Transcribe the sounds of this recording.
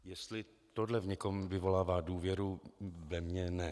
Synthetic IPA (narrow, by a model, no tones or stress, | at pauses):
jɛst̪lɪ | t̪odlɛvɲɛko̞mvɪvo̞laːvaːduːvjɛɾuvɛmɲɛnɛ